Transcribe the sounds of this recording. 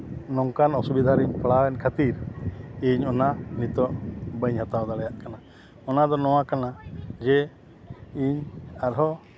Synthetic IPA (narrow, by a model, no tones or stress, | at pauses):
nɔŋkanɔsubid̪ʱaɾiɲpɽawɛnkʰət̪iɾiɲɔnanit̪ɔʔbəɲhat̪awd̪aɽɛjaʔkana | ɔnad̪ɔnɔw̃akanad͡ʒɛ | iɲaɾɦɔ